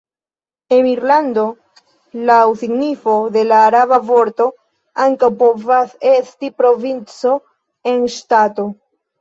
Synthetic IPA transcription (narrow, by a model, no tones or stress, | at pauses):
e̞niɾland̪o̞ | lawsiɡnifo̞de̞laːɾaβavo̞ɾto̞ | aŋkawpo̞vase̞stipɾo̞vint͡so̞ | e̞nʃtato̞